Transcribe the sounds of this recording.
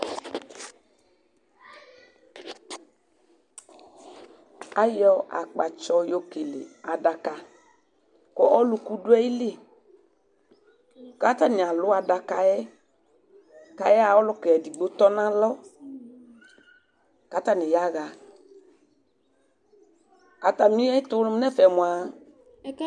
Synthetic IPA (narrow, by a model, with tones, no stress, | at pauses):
a˨jɔ˦ʔa̰˨k͡pa˨t͡ʃɔ˧jo˨ke˨lḛ˨a˨da˨ka˨˧ | kɔ˨ʔɔ˦lu˧ku˦du˦ɛ˦i˦le˦˨ | ka˦t̪a˦nɪ̃˨a˨lʊ˨˦a˨da˨ka˧jɛ˦ | ka˨jɛ˦a˨ɔ˦lʊ˦kɛ˨ɛ˨di˨ɡ͡bo˦t̪ɔ˦nã˦lɔ˦ | ka˦t̪a˦nɪ̃˨ja˦ɣa˨ | a˨t̪a˨mĩ˦ɛ˦i˦t̪ʊ˦n˦m˦nɛ˦fɛ˨mʊ̃˨a˨